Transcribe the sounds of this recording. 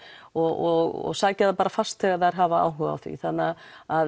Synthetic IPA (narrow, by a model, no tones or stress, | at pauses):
ɔɣɔɣɔ̰ɣsaːcɛðapaːɾafast̪θɛːɣaðaɾ̥ɦaːvaa̰ːwɦʏɣa̰wθvḭθanːaað